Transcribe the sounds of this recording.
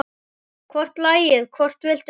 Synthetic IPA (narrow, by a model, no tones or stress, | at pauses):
kʰvɔr̥t̪laːjɪðkʰvɔr̥t̪vɪl̥t̪